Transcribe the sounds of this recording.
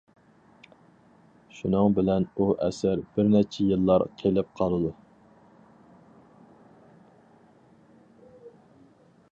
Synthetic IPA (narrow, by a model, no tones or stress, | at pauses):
ʃunɨŋbɪlɛnuʔɛ̰sæɾb̥ɪɾnɛt͡ʃʰɛjɨlˠːɑɾqʰelɪp̚qʰɑlˠɨd̪u